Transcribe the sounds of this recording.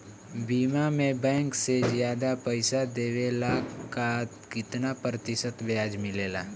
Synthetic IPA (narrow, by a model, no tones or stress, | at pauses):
biːmamẽbɛ̃ːŋksezjaːd̪apəɪsad̪eːwelakat̪kɪt̪napɾət̪ɪsət̪ʋjaːd͡ʒmɪleːlaː